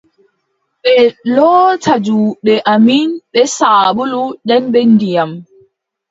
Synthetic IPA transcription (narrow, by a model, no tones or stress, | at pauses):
ɓɛlɔːtʰad͡ʒuɓɛʔaminɓɛsaːɓuluɗɛnɓenːdijam